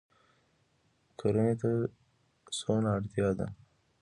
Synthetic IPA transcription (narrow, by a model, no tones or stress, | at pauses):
kʰaɾənet̪a | sonaɽt̪jɑd̪a̰